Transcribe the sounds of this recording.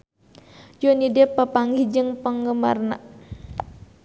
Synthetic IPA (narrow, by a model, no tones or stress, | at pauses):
jonidɛpəpaŋɡid͡ʒɨŋpəŋɡəma̰rna̰